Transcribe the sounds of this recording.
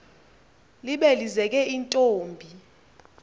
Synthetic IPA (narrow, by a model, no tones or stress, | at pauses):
liɓelizɛk̬ʼɛintʼoːmbʱi